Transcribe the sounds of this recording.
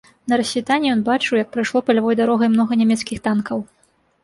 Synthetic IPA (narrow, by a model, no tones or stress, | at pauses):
nɐɾɐsʲvʲit̪anʲːijɔnbat͡ʂɨwjɐk̚pɾɨjʂlˠɔpɐlʲavɔjd̪aɾɔɣɐjmnɔɣɐnʲɛmʲɛt̪skʲixt̪ankɐw